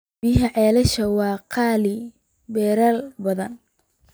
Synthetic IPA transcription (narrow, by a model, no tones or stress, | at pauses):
biɦɐʕɛːlɐʃɐwɑːqʰɑːlɪ | bɛːɾaːlbɐðɐn